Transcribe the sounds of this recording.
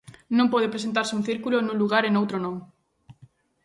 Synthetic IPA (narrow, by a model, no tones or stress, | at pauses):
nõmpɔð̞epɾes̬ent̪̬aɾsɪũnθiɾkulonũŋluɣaɾenowt̪ɾonõŋ